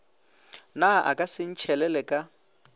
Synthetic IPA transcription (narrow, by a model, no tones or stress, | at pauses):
naʔa̰kʼasɪn̩t͡ʃʰɛlɛlɛkʼa